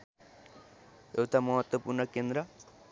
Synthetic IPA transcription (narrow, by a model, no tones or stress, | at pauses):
ewt̪ʰamɔɦɔt̪wopuɾnɔkend̪ɾa